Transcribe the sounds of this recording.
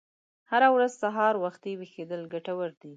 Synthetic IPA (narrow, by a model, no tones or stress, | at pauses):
haɾawɾazsaɦɑɾwaxt̪ewexed̪əlɡaʈawaɾd̪i